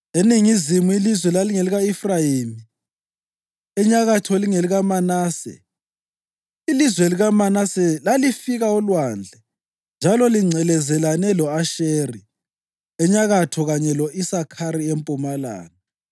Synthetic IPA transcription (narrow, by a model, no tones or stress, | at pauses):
eniŋizimuilizwɛlaliŋeliɣaifrajimi | ɛɲaɣatʰɔliŋeliɣamanaːsɛ̰ | ilizwɛliɣamanasɛlalifiɣaɔlwand͡ɮʱɛ | nd͡ʒʱalɔliŋ͡ǀʱɛlɛzɛlanɛlɔaʃeːri | ɛɲaɣatʰɔɣaɲɛlɔʔisakʰaɾiempʼumala̰ːnɛ